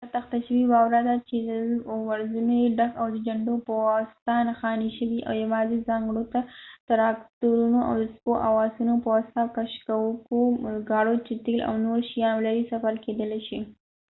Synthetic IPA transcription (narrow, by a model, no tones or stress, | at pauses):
at̪axt̪aʃəwibɑwɾad̪at͡ʃed̪əwaɾzumeɖakawd̪əd͡ʒaɳɖopəwast̪anaxɑniʃəwiʔa̰wjawɑzizɑŋɡɽot̪at̪aɾɑkt̪uɾunoʔa̰wd̪əspoʔawɑsunopəwast̪akaʃkawəkoɡɑɽot͡ʃet̪elʔa̰wnoɾʃijɑnlaɾisafaɾked̪əleʃi